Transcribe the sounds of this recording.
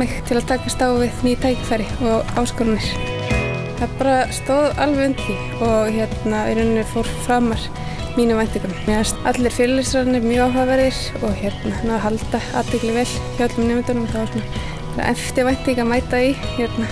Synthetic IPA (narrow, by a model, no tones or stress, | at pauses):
ɪxt̪ʰɪlaðt̪ʰaːkast̪aːwvɪðnit̪ʰaːjcɪ̥fajɾɪɔɣawskɔɾanːɪɾ̥ | θaðpaːɾast̪oːwðalvɪʏnt̪i | ɔɣçjɛt̪naɾʏnnɪfowɾ̥fɾaːmaɾ̥ | miːnɪajn̥t̪iŋkʏnmjɛasat̪lɪɾ̥fɪɾlɪsɾanɪmjœawɦavɛɾðɪɾ̥ | ɔɣçjɛt̪nanaðɦalt̪aa̰ːt̪vɪklɪvɛl̥çjawt̪lʏmnɛːmɪnt̪ɔnɪmθaðvasɔːna | aɾa̰ʔɛmft̪ɪvajn̥t̪iŋkamaːjt̪aiçɛt̪na